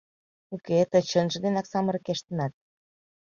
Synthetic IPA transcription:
uket̪ə̆t͡ɕənʒə̆d̪enɑksɑmə̆ɾəkeʃt̪ə̆nɑt̪̚

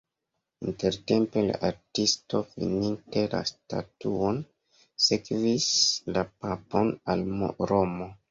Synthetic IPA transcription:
inte̞ɾte̞mpe̞la̰ʔaɾtisto̞fḭninte̞la̰sta̰tuo̞n | se̞kvislapapo̞nalmo̰ɾo̞mo̞

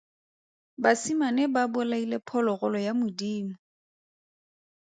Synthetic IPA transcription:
basimanebabʊlailepʰɔlɔɣɔlɔjamʊdiːmʊ

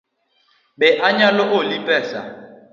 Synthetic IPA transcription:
ɓɛʔaɲalɔʔolipʼɛːsa

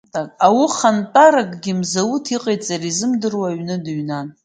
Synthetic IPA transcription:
tʼakʼawiχantʼaɾakʼɡʲɪmzawutʰiqʼejtʼt͡sʼaɾizɨmdɨrwaɥnɨdɥnan

